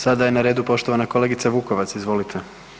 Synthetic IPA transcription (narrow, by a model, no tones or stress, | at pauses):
sad̪aje̞naɾe̞ːd̪upo̞ʃt̪o̞ʋanako̞leɡit̪saʋuːko̞ʋat̪sizʋo̞lit̪ʰe